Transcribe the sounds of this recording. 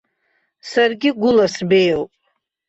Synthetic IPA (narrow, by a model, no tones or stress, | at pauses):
sarɡʲiɡʷʊlasbejowpʼ